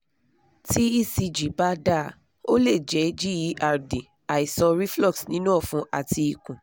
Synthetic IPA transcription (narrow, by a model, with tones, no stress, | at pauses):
ti˦i˦˨si˧d͡ʒi˨˦ba˦da˦˨˧ | o˦le˦˨d͡ʒɛ˨˦d͡ʒi˦ji˨˦ʔa˧ɾdi˨ | a˨i˨sɔ̃˧ɾi˦flɔ˦ksnĩ˦nũ˦ɔ˦˨fũ˧˦ʔa̰˦˨ti˧i˨kũ˨